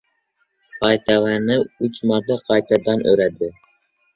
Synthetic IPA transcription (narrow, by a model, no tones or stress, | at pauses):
qʰɑjt̪ʰavanɪʊt͡ʃmɑɾt̪aqʰɑjt̪ʰad̪anɵ̰ɾad̪ɪ